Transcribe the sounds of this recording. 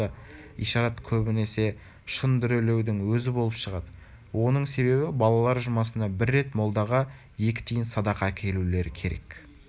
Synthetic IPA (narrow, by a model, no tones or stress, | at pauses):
ə | ḭjʃɑɾɑt̪kʲʰɵbɪne̞se̞ | ʃənd̪ʏɾele̞wd̪ɪŋwɵzɪbo̞lˠəpʃəʁɑd̪ə | wo̞nəɴse̞βe̞bɪbɑlˠɑlˠɑɾʒʊmɑsənɑbɪɾːe̞t̪mo̞lˠd̪ɑʁɑ | je̞kʲɪ̥t̪ʰijɪnsɑd̪ɑqɑkʲʰe̞lule̞ɾɪkʲʰe̞ɾe̞̰k